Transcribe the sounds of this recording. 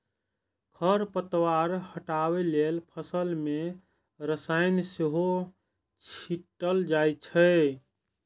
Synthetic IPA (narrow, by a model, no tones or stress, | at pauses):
kʰəɾpət̪waɾhəʈaβelelpʰəsəlme | ɾəsajnseɦo | t͡ʃʰiʈːəld͡ʒajt͡ʃʰə